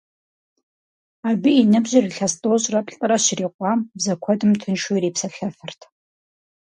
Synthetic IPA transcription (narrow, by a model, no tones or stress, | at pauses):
aːbijinɨbʑɪriɬɐstʼoːɕʼrɐpɬʼɐɾɐɕɪriːqʷɑːmbzɐkʷʰɔdɨmtʰɨnʃureːpsɐɬɐfɨrtʰ